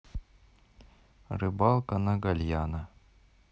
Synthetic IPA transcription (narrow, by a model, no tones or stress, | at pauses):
rɨbɑlˠkɐnɐɡɐlʲjanɐə